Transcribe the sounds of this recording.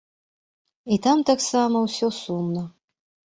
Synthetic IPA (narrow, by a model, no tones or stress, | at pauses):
it̪amt̪aksamɐwsʲɔsumnə